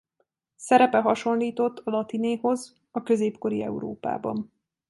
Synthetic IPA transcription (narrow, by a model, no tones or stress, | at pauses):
sɛɾɛpɛɦɒʃo̞nliːt̪o̞t̪ːɒlɒt̪ineːho̞z | ɒkø̞zeːpko̞ɾiɛ̰uɾo̰ːpa̰ːbɒ̰n